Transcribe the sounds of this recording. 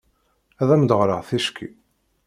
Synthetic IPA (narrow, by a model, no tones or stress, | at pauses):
æðæməd̪əʁɾˤəʁθæʃkʰḭ